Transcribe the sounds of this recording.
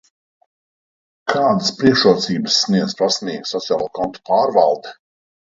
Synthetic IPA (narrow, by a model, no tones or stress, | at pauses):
kʰaːd̪aspɾiɛkʃuɔt̪siːbəsːniɛd̪zpɾasmiːɡsɔt̪sijaːlˠuɔːkɔnt̪u̥paːɾvalˠd̪ɛ